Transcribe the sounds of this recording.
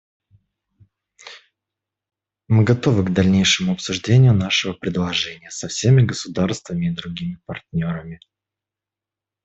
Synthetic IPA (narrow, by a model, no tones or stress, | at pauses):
mɨɡɐt̪o̞vɨɡd̪ɐlʲnʲejʂɨmʊɐpsʊʐdʲenʲɪjʊnaʂɨvəpɾʲɪd̪lˠɐʐɛnʲɪjəsɐfsʲemʲɪɡəsʊd̪arst̪vəmʲɪːd̪ɾʊɡʲimʲɪpɐrtʲnʲo̞ɾəmʲɪ